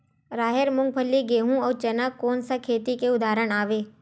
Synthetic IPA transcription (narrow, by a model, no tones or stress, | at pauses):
ɾaːɦeɾmʊ̃ŋɡ̚pʰəlːiɡeːɦũɔːɾt͡ʃɐnakɔːnsakʰeːt̪ikeʊd̪aːɾəɽ̃aːʋeː